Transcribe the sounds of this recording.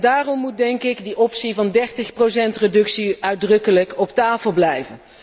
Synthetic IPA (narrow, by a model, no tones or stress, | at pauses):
daːrɔmːut̚dɛŋkɪɡdiʔɔpsivɑndɛɹtəχprowsɛntredɵksiœɥdrɵkələkɔptaːfəlˠblɛjvən